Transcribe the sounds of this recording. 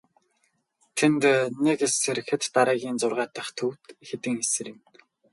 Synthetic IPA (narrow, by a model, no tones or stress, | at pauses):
t̪ʰent̪nekseɾxɘ̆t̪ːaɾæːɣʲiːnt͡sʊrʁaːt̪ə̆χt̪ʰɵwt̪xet̪ɘ̆ŋesɘ̆ɾĭn